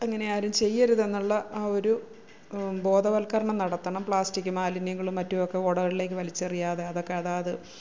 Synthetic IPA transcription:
ɐŋːɐne̞aːɾumt͡ɕe̞jːɐɾuðe̞nːuɭːɐʔaːo̞ɾu | bo̞ːd̪ɐʋɐlkɐɾɐɳɐmnɐɽɐt̪ːɐɳɐmpɭaːstikʲːɨmaːlinjɐŋːɐɭumːɐtːuokːe̞oɽɐʋile̞ːkːɨʋɐlit͡ɕːɐrijaːðe̞ɐðo̞kːe̞ɐðaːɐðɨ

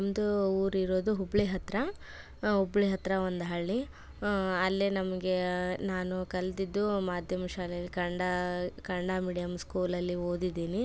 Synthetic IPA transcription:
ɐmd̪uuːɾiɾo̞ːd̪uɦubɭiɦɐt̪ɾɐ | ɦubɭiɦɐt̪ɾɐond̪ɦɐɭːi | ɐlːenɐmɐɡe̞naːnukɐlɐd̪id̪ːumaːd̪ʱjɐmɐʃaːlɛɐlːikɐɳɖɐkɐɳɖaːmiːɽijɐmskuːlɐlːioːd̪id̪ːiːni

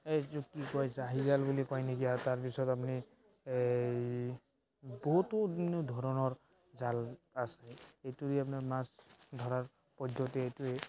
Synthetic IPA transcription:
etukikɔjzaɦizalbulikɔjnekiataɹpisɔtapni | bɔɦutodinudʱɔɹɔnɔɹ | zalaseejtuɾiap̬naɹmasdʱɔɹaɹ | pɔdɔtɛejtue

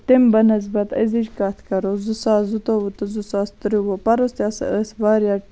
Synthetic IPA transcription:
t̪imbɐnɐs̬bɐt̪ɐ̰ziʃkat̪ʰkɐɾozusaːzut̪owut̪əzusaːst̪ɾiwopɐɾost̪ʲjasəsbaːɾja

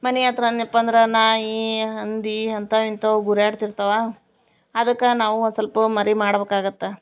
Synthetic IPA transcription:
mɐneat̪ɾɐnjɐpːɐnd̪ɾɐnaːɦiɦɐnd̪iɐnt̪ɐint̪oɡuɾjaːɽt̪iɾt̪ɐʋaː | ɐd̪ɐkːɐnaːʋunsɐlpɐmɐɾimaːɽɐbeːkaːɡɐt̪ːe

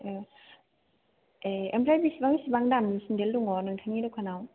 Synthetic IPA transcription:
eempʰlajbisibaŋsibaŋdamnisindelduŋɔnɯŋtʰanŋidɔkʰanaw

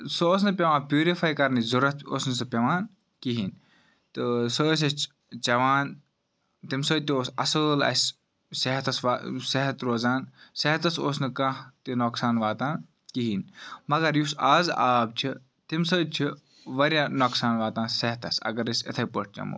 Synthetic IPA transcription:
sooːs̬nɐpʲɐʋãːnpʲjuːɾifaːjkɐɾnizuɾɐt̪̚ʰo̰ːsnɐs̬ɐpʲɐʋaːn | kiɦiːn | t̪ɨsəːs̬ɐst͡ʃʰ | t͡ʃɐʋaːn | t̪imsət̪ioːsɐ̰səːlɐ̰sʲ | seɦɐt̪ɐsʋaːseɦɐt̪ɾoːzaːnseɦɐt̪ɐsoːsnɨkɐ̃t̪inoksaːnʋaːt̪ãːn | kiɦiːnmɐɡɐɾjusaːzaːb̚t͡ʃʰi | t̪imsəːt͡ʃʰi | ʋɐɾʲjaːnoːksaːnʋaːt̪ãːnsɐɦɐt̪ɐ̰sɐ̰ɡɐɾisɐ̰t̪ʰɐjpəʈ̚ʰt͡ʃɐ̰mṵː

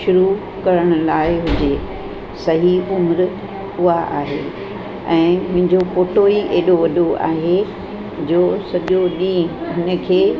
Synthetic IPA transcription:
ʃʊɾu | kɐɾəɽ̃ʊ̆laːɪɦʊd͡ʑe | sɐɦiʊmɾ | ʊɦaʔa̰ːɦeː | ɛ̃ːmʊ̃ɦɪ̃ɲd͡ʑopoːʈoiʔeːɗoʋɐɗoa̰ːɦe | d͡ʑoːsɐʄoɗĩːɦʊnə̆kʰeː

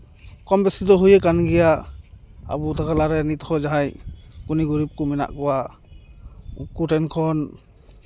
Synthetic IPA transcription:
kɔmbɛsid̪ɔɦujɛkanɡɛja | a̰but̪ʰakalaɾɛnit̪hɔd͡ʒaɦajkuniɡuɾip̚kumɛna̰ʔkɔwa | ṵkuʈɛnkʰɔn

